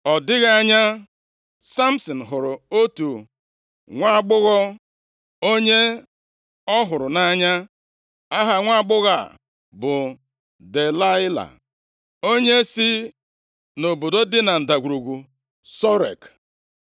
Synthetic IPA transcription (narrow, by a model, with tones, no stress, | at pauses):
ɔ˨dɪ˦ɣa˦a˦ɲa˦ | sa˦m̩˦sɔ˨n̩˨ɦʊ˨ɾʊ˨o˦tu˨ | ŋʷa˦ɡ͡bʊ˦ɣɔ˦ | o˦ɲe˦ | ɔ˦ɦʊ˨ɾʊ˨na˦ɲa˦ | a˦ɦa˨ŋʷa˦a˦ɡ͡bʊ˦ɣa̰˨ | bʊ˨ | de˨la˦ɪ˦la̰˨ | o˦ɲe˦si˦ | no˨bo˨do˦dɪ˦na˨n̩˨da˨ɡʷu˨ɾu˨ɡu˨ | sɔ˦ɾḛ˨k